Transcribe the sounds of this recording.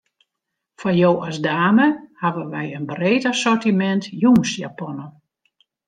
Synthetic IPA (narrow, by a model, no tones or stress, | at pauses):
fajoːɔsdaːməhaʋəʋɛjənbreːtasɔrtimɛntjunsja̰pɔnə